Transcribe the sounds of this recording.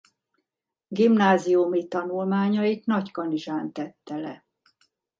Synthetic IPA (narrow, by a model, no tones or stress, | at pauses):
ɡimnaːziumit̪ɒnulmaːɲɒik̪nɒckɒniʒaːnt̪ɛt̪ːɛlɛ